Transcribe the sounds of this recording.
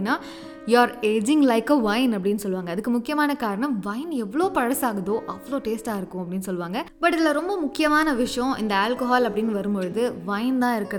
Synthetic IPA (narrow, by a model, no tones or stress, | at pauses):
ɪnːaː | jaːɾeːd͡ʒɪŋɡlɐɪkɐʋɐɪnɐp̬ːɐɽɪnːɯsɔlːɯʋaːŋɡɐːðɯkːɯmʊkːɪjɐmaːnɐkaːɾɐɳɐ̃mʋɐɪnɛʋːɐɭoːpɐɻɐsaːɣɐðoːʔɐʋːɐɭoːʈeːsʈaːɪɾɯkːʊ̃ɐpːɐɽɪnːɯsɔlːɯʋaːŋɡɐbɐʈːɪðɪlːɐɾɔmbɐmʊkːɪjɐmaːnɐʋɪʂɐjɔ̃ɪ̰nd̪ɐaːlkoɦaːlɐpːɐɽɪnːɯʋɐɾɯmbɔɻɯðɯʋɐɪnt̪ãːɪɾɯkːɪɾɐð